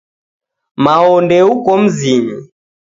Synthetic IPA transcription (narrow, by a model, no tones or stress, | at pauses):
maɔndɛukɔm̩ziɲi